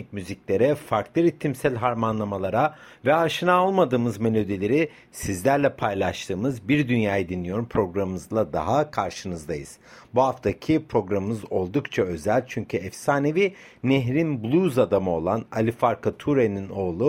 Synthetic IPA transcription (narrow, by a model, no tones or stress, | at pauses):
icmyziclʲe̞ɾɛfaɾklˠɯɾit̪ʰːimsælʲɦaɾmanlˠamalˠaɾa | vɛaʃɯnaolˠmad̪ɯːmɯzme̞lʲo̞d̪ilʲe̞ɾi | sizlʲæɾlʲɛpʰajlˠaʃt̪ʰɯːmɯzbiɾd̪ynjaːjad̪inːʲijo̞ɾumpʰɾo̞ɡɾammɯzlˠad̪a̰ɦakʰaɾʃɯnɯzd̪ajɯz̥ | buɦaft̪ʰacʰipʰɾo̞ɡɾammɯzo̞lˠd̪ukt͡ʃʰaø̞zælʲt͡ʃʰyɲcʰyɛfsaːnevi | neɦɾinblʲˠuzad̪amɯo̞lˠana̰lʲifaɾkʰat̪ʰuɾenino̞ːlˠu